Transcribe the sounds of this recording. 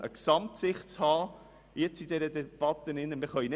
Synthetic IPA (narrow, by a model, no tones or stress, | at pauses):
ʔə̰ksɑmtsɪχtt͡shɑː | jɛt͡sid̥̪ɛɾəd̪ɛb̥ɑt̪ːənɪnːəmɪɾχœʏne